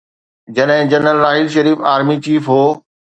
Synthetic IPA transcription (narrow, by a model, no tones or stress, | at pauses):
d͡ʑɐɗɦɪ̃d͡ʑɐnəlɾaːɦɪlʃɐɾiːfaːɾmit͡ɕiːfɦoː